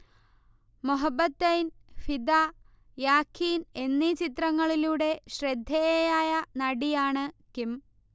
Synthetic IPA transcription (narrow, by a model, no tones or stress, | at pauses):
muɦɐbːɐt̪ːɐjnfid̪a | jaːkʰːiːne̞nːit͡ɕit̪rɐŋːɐɭiluːɽe̞ɕred̪ʱːejaːjɐnɐɽijaːɳɨkim